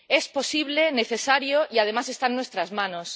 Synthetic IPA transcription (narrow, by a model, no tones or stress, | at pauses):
esposiβ̞leneθesaɾjoʔiað̞emasest̪anːwest̪ɾazmãnos